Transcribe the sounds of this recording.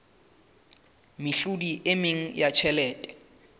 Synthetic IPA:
mɪɬudiʔɪmɪŋ̩jat͡ʃʰɛlɛːtʼɛ̥

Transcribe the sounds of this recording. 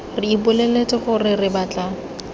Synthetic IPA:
rɪibʊleletʼɪχʊrɪrɪbat͡ɬa

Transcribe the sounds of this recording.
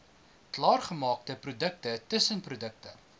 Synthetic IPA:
klɑːrχəmɑːk̚təprudək̚tətəsənprudək̚tə̰

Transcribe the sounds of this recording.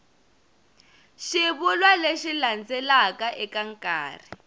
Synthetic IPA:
ʃiβulwaleʃiland͡zɛlakaʔɛkaŋ̩kʼa̰ːri

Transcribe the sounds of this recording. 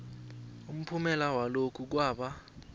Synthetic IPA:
um̩pʰumɛlawalokʰuk̬waːɓa

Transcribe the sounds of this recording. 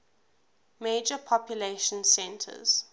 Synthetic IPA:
meːd͡ʒəpʰɔpjuleʃə̃nsɛ̃ntʰə̰z̥

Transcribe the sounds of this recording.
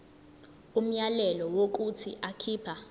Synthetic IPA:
um̩jalɛlɔwok̬ut͡sʰḭʔakʰiːpʰa

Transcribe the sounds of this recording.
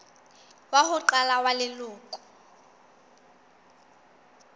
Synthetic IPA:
wahʊǃalawalɪlʊːkʼʊ̥

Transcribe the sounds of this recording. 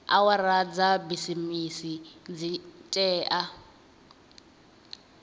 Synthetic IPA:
a̰waɾad͡zabisimisid͡zit͡ʃʼɛːʔa

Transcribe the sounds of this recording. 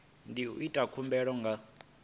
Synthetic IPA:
ndiṵʔitʼakʰumbɛɺɔŋɡa

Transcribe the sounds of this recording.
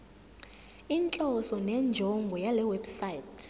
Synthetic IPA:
int͡ɬʼɔsɔnɛnd͡ʒʱɔŋɡʱɔjalɛwɛbsajtʰ

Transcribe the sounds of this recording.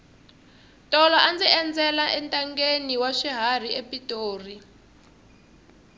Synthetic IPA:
tʼɔlɔand͡zɛɛnd͡zɛlaʔɛntʼaŋɡeniwaʃiɦar̤iepʼitʼoːri

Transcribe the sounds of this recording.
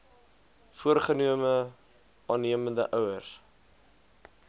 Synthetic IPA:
fuərχəniəmə | ʔɑːnːiəməndə̰ʔœwərs

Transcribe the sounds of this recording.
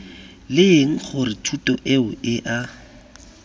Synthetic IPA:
lɪeŋ̩χʊrɪtʰutʼɔʔeʊʔɪʔa

